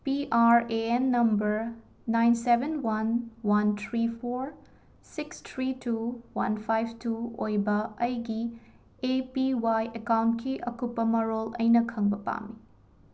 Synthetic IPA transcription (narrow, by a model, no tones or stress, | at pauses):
piʔaɾeenːɐmbɐɾː | ajnsebenwɐnwɐntʰɾipʰoɾ | sikstʰɾituwɐ̰npʰajb̚ʰtuojbɐɐjɡi | epiwajʔekawntkʰiʔɐkupːɐmɐɾolɐ̰jnɐkʰɐŋbɐpa̰mi